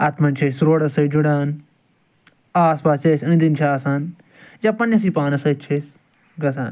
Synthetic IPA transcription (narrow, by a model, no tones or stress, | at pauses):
ɐt̪mɐnt͡ʃʰesɾoːɽɐsɐjd͡ʒuɽaːn | aːspaːseːsɐ̃nd̪int͡ʃʰaːsaːn | jaːpɐnːɐs̬iːpaːnɐsɐt͡ʃʰes | ɡɐsa̰ːn